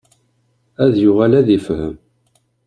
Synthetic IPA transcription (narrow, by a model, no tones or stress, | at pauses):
æðjʊʁælæðifhə̰m